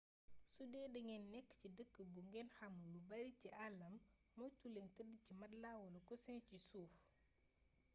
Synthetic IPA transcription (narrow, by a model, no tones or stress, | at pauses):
sudɛːdɐŋɛnːɛkːcidəkːəbuŋɡɛnxɐmlubɐɾiciʔalːɐmː | ɔjtulɛntədicimɐdlawɔlɐkusɛncisuːf